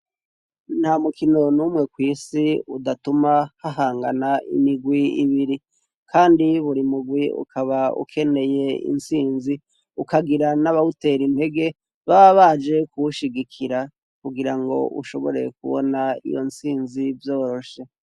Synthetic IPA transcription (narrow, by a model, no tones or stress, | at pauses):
n̥hamukino̞nuːmŋe̞kwiːsiudatumahaɦaːŋɡanaḭmiɡwiḭβiɾi | kʰaːndiβuɾimuɡwiṵkʰaβaṵkʰe̞ne̞je̞ḭnsiːnzi | ukaɡiɾanaβaute̞ɾinhe̞ɡe̞ | βaβaβad͡ʒe̞kuuʃiɡikʰiɾa | kuɡiɾaŋɡo̞̰ʔṵʃo̞βo̞̰ɾe̞̰k̚ṵβo̰naḭjo̞̰nsiːnzivjo̞ːɾo̞ʃe̞